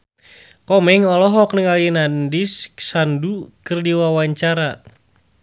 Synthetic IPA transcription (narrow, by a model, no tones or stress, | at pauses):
kɔmɛŋɔlɔɦɔknəŋalinandisːandukɨrdiwawaɲt͡ʃaɾa